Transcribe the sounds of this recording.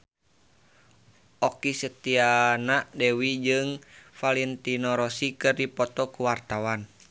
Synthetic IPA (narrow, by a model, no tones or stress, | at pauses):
ʔɔkisət̪ianadewid͡ʒɨŋfalɛnt̪inɔɾɔsikɨrdipɔt̪ɔkuwart̪awan